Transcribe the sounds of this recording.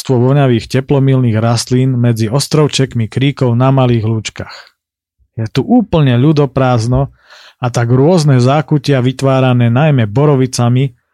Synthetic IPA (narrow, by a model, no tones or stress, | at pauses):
st̪ʋɔʋɔɲaʋiːxcɛplɔmilniːɣɾast̪liːnmɛd͡ziɔst̪ɾɔʊt͡ʃɛkmikɾiːkɔʊnamaliːɣluːt͡ʃkax | jɛt̪uʔuːpl̩ɲɛʎud̪ɔpɾaːznɔ | at̪aɡɾʊɔznɛzaːkucɪaʋit̪ʋaːɾanɛːnajmɛbɔɾɔʋit͡sami